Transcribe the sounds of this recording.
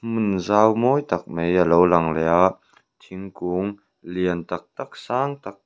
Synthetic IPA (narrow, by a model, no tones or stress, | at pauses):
munzaːwmɔːjt̪ɐk̚mejalowlɐŋlɛja | t̪ʰiŋkuŋ | liənt̪ɐk̚t̪ak̚saːŋt̪ak̚